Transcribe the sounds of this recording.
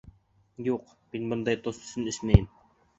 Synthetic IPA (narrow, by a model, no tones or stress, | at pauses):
juq | minbɤnd̪ɑjt̪osɵ̥sɘnɘ̆smæjɘm